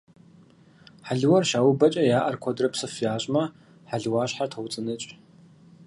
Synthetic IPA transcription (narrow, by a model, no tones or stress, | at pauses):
ħaɮwɐrʃaːwʊbɐt͡ʃʼɐjaːʔɐrkʷʰɔdrɐpsɨfjaːɕʼmɐ | ħaɮwaːɕħatʰɐwt͡sʼɨnɨt͡ʃʼ